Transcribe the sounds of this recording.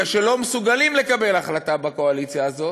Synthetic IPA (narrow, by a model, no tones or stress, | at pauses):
aʃe̞lo̞mesuɡalimle̞kabe̞laχlatabako̞alit͡sjaːzo̞